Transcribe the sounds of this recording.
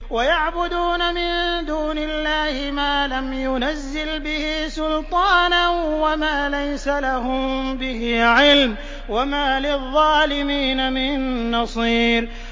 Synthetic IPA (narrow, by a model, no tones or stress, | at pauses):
wajaʕbʊd̪uːnamɪnd̪uːnɪlːaːhɪmaːlamjʊnazːɪlbɪhɪsʊlt̪ˤɑːnanwamaːlajsalaɦʊmbɪhɪʕɪlm | wamaːlɪðˤːɑːlɪmiːnamɪnːɑsˤiːɾ